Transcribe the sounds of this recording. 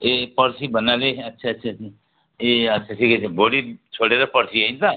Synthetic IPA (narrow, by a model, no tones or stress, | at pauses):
eːpəɾsibənaleɦɐtːʃʰatːʃʰasi | eːɐtːʃʰaʈʰiːkɛeboːlit͡ʃʰoːɽeɾapɐɾsiaĩnt̪a